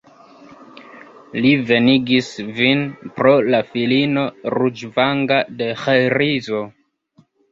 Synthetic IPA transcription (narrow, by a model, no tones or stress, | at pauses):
live̞niɡisvinpɾolafilino̞ɾud͡ʒvaŋɡade̞xajɾizo